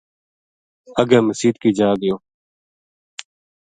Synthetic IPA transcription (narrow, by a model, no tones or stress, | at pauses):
əɡɛ̃ːməsiːd̪kiːd͡ʒaːd̪ɪjoː